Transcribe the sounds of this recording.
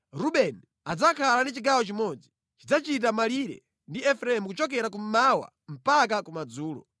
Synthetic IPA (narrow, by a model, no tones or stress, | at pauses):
ɾuɓɛn | ad͡zakʰalandit͡ʃiɡawɔt͡ʃimɔd͡zi | t͡ʃid͡zat͡ʃit̬amaliɾɛ̰ | ndiɛfɾaɛmukut͡ʃɔk̬ɛɾak̬um̩mawa̰ | m̩pak̬akumad͡zuːlɔ̰